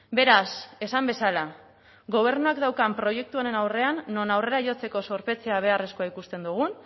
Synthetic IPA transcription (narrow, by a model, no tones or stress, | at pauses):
be̞ɾase̞sambe̞sala | ɡo̞β̞e̞ɾnuakd̪awkampɾo̞je̞k̚t̪uaɾe̞nawre̞anːo̞nawre̞ɾaʝo̞t͡se̞ko̞so̞ɾpe̞t͡se̞aβ̞e̞are̞skoaikust̪e̞nd̪uɣ̞un